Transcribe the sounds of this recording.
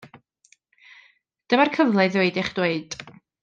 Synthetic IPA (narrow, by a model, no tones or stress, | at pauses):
d̥əmarkʰəvlˠɛðweɨdɪχd̥weɨd̥